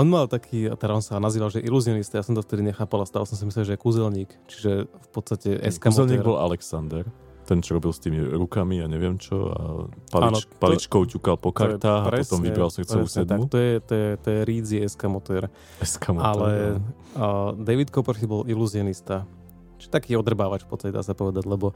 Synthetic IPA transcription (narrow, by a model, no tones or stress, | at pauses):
ʔɔnmalt̪akʰiːat̪ɛɾaɔnsanaziːʋalʒɛʔiluziɔnist̪ajasɔmt̪ɔft̪ɛd̪iɲɛxaːpalast̪aːlɔsɔms̬amislɛlʒɛɛkuzɛlɲiːkt͡ʃi̥ʒɛfpɔt̪st̪acɛʔɛ̰skamzɛlɲiːɡɾbɔla̰lɛksand̪ɛɾ | t̪ɛnt͡ʃɔɾɔbilst̪iːmiɾukamiaɲɛʋɪɛmt͡ʃɔ̰a̰palaːnpalit͡ʃkɔʊcukalpɔkaɾt̪aːɦaɾɛɔst̪ɔmvibɾalsr̩t̪t͡sɛusɛd̪amut̪ɔjɛt̪ɔjɛt̪ɔjɛɾiːd͡ziɛskamɔt̪ɛɾ | ɛskamɔalɛ | d̪ɛʋit̪kɔprxibɔliluzɪɔnist̪a | t͡ʃiʒɛt̪akiːɔd̪r̩baːʋat͡ʃfpɔt̪st̪acɛd̪a̰ːsapɔʋɛd̪aɟlɛbɔ